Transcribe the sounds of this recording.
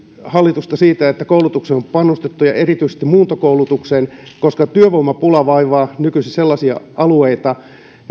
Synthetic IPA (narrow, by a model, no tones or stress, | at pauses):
hɑlːit̪ust̪ɑsiːt̪æet̪ːækoulut̪ukseompɑnːust̪et̪ːujɑ̰ʔerit̪yise̥st̪imuːt̪okoulut̪ukseːnkoskɑt̪yøʋoimːɑpulɑʋɑiʋɑːnykysiselːɑsiɑ̰ʔɑlueit̪ɑ